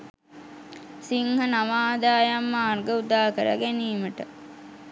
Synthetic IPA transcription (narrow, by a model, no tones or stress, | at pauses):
siŋhənaʋaːd̪aːjamːaːrɡəud̪aːkəɾə̰ɡæniːməʈə